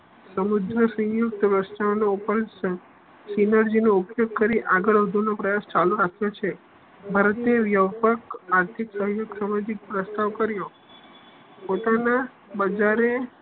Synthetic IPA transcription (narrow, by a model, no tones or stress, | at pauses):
səmud̪ʱɾəsə̃juk̚t̪pɾəst̪aʋnoupəɾ | sinəɾd͡ʒinoupjoɡ̚kəɾiʔaɡəɭɦəd̪ʱunopɾəjast͡ʃaluɾakʰjot͡ʃʰe | bʱaɾət̪eʋjəʋpəkaɾt̪ʰiksəɦjoɡsamad͡ʒik̚pɾəst̪aʋkəɾjo | pot̪ana | bəd͡ʒaɾe